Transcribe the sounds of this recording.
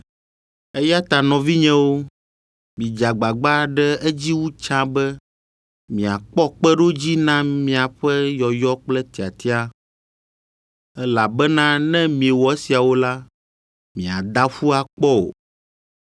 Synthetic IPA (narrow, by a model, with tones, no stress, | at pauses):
ɛ˦ja˦t̪a˨nɔ̃˨vi˦ɲɛ̃˦wo˦ | mĩ˨d͡ʒa˨ɡ͡ba˨ɡ͡ba˦ɖɛ˦ɛ˦d͡ʑi˦wu˦t͡ʃã˦bɛ˦ | mĩ˨a˨k͡pɔ˦k͡pɛ˦ɖo˦d͡ʑi˦nã˦mĩ˨a˨ɸɛ˦jɔ˨jɔ˦k͡plɛ˦t̪i˨a˨t̪i˦a˦ | ɛ˦la˨bɛ˦nã˦nɛ̃˦mĩ˨e˨wɔ˨ɛ˦si˨a˨wo˦la˦ | mĩ˨a˨d̪a˦ɸu˦a˨k͡pɔ˦o̰˨